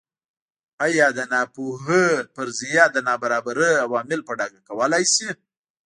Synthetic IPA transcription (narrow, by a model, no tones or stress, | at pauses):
ajɑd̪ənɑpuɦəpəɾzijɑd̪ənɑbaɾɑbaɾəawɑmɪlpəɖɑɡakawəlajsi